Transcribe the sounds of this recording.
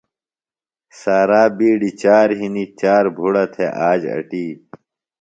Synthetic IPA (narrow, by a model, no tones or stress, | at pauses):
saːɾaːbiːɖit͡ɕaːɾɦinit͡ɕaːɾbʱuɽɐt̪ʰeʔaːd͡ʑɐ̰ʈiː